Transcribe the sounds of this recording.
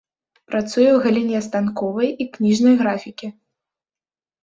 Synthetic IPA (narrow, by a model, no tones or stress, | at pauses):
pɾat̪sujɛwɣɐlʲinʲɛst̪ankɔvɐjiknʲiʐnɐjɣɾafʲikʲi